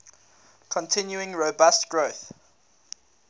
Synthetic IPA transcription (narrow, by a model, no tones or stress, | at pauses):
kʰɔ̃ntʰɪ̃njuɪ̃ŋɹobastɡ̥ɹoθ